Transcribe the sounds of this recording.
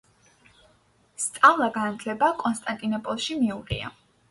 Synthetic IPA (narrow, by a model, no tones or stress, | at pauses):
st̪sʼavlˠaɡanat̪ʰlɛbakʼɔnst̪ʼant̪ʼinɔpʼɔlˠʃimiuʁḭa̰